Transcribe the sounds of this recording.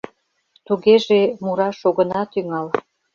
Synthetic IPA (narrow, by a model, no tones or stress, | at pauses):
t̪uɣeʒemuɾɑʃoɣə̆nɑt̪yŋɑl